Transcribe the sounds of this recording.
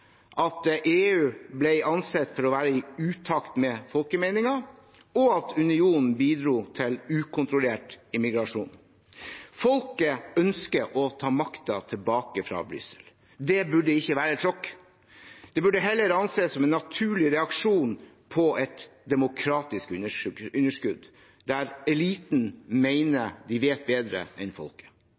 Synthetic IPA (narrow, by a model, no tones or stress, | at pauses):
ʔɑt̪ʔeːʉːblɛɪɑnsɛt̪ːfɔɾɔʋæːɾəɪʉːt̪ʰɑkt̪mɛfɔlkəmɛɪnɪŋɑɔɑt̪ʰʉnɪuːnn̩biːd̪ɾuːt̪ʰɪlʉːkʰʊnt̪ɾʊleːʈɪmɪɡɾɑʂṵːn | fɔlkəœnskəʔɔt̪ʰɑːmɑkt̪ɑt̪ʰɪlbɑːkəfɾɑ̰ːbɾʏ̰səl | d̪ɛbʉɖəɪçːəʋæːɾəɛt̪ʂɔkː | d̪̥ɛbʉɖːəɦɛlːəɾɑnseːsːɔmɛnːɑt̪ʰʉːɭɪɾɛɑkʂuːn | pʰɔɛt̪d̪ɛmʊkʰɾɑːt̪ɪskʉəʉnəʂkʉd̪ | d̪æɾɛliːt̪n̩meɪnəd̪ɪʋeːt̪̚beːd̪ɾə̰ɛnfɔ̰lkə̥